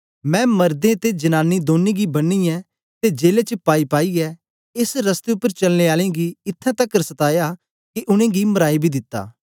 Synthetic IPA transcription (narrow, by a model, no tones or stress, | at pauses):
mɛ̃ːmɐɾd̪ẽt̪ed͡ʒɐnaːnːid̪oːnːẽɡibɐnːiɛ | t̪ed͡ʒeːlet͡ʃəpaːipaːiɛ | ɪsɾɐst̪eʊpːəɾt͡ʃɐlneaːlẽɡiɪt̪ʰːɛ̃t̪ɐkːəɾsɐt̪aːja | kiʔʊɽ̃ẽɡimɐɾaːibʱid̪ɪt̪ːa̰ː